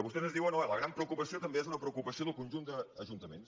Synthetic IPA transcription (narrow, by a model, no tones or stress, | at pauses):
əβust̪ɛzənzðiwənoləɣɾampɾəukupəsiot̪əmbeezunəpɾəukupəsijoðəlˠkunʲʒund̪əːʒunt̪əmḛns